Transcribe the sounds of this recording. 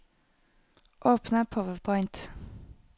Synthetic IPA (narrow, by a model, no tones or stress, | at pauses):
ʔoːpnəpʰɔʋəpʰɔɪnt̪